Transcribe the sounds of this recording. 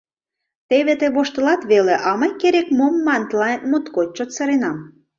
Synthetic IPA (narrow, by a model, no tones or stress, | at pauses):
t̪eβet̪eβoʃt̪ə̆lɑt̪βeleʔɑməjkeɾekmomːɑnt̪lɑnmut̪kot̪̚t͡ɕot̪seɾenɑm